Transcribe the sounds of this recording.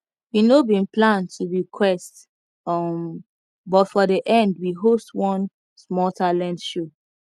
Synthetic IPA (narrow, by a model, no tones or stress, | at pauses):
winobĩnplãntʰuɹikʰwɛst | ʌm | bɔtfɔdiʔɛ̃ndwiɦostwɔ̃n | smɔtʰalɛ̃ntʃo